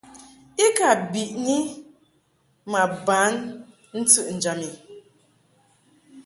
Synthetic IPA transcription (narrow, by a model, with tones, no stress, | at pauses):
i˦ka˨bi˨ʔni˦ | ma˨ba˨˦n | n̩˦tɨ˦ʔn̩˨d͡ʒa˨mi˨